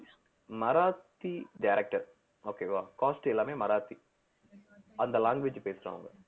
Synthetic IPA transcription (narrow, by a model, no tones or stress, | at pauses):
mɐɾaːt̪ːiɖaːɾɛk̚ʈɐɾ | oːkeːʋaːkaːsʈɛlːaːmeːmɐɾaːt̪i | ɐnd̪ɐlaːŋɡʋeːd͡ʒpeːsɪɾa̰ːʋɐ̰ŋɡɐ